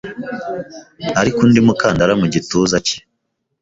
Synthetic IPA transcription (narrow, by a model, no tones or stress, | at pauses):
aɾikuːndimukaːndaɾamuɟituzace̥